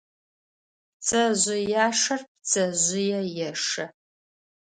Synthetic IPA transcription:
t͡sʼɐʑʊjaːʂɐrp̚t͡sʰʼɐʑʷʊjɛjɛʂɐ

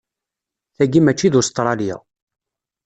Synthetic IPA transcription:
θæɡimæt͡ʃːiðust̪ɾˤɑlja̰

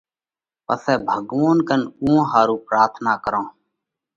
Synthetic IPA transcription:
pə̰sɛːbʱəɡʋoːnkənũːɦaːɾuːpɾaːɾt̪ʰnaːkəɾãː

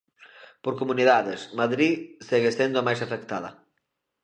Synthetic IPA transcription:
poɾkomuniðaðesmaðɾiseɣesend̪ʊamajsafek̚t̪aðɐ̰

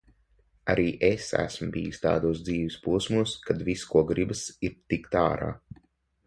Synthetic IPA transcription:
aɾʔiːʔesæ̰smubḭjisʲt̪a̰ːd̪uːs̬d̪ziːʋispuɔsmuɔskad̪viskuɔɡɾibɨsiɾt̪ikt̪a̰ːɾa̰ː

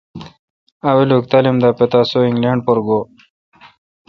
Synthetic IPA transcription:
aweluk̚t̪alimd̪apet̪asoiŋɡleɳɖ̚poɾɡo

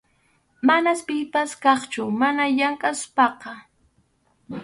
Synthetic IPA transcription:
manaspɪpaskɑχt͡ʃʊmanajaŋkʼaspɑqɑ

